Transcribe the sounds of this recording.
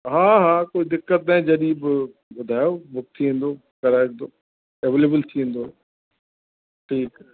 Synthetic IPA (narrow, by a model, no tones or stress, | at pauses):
ɦaːɦaːkoːid̪ɪkːət̪̚naːẽd͡ʑɐɗibɪ | bʊd̪ʱaːjobʊk̚t̪ʰiʋẽːn̆d̪oː | kɐɾaːk̚d̪oː | eʋeːleːbəlt̪ʰiʋẽːn̆d̪o | ʈʰiːk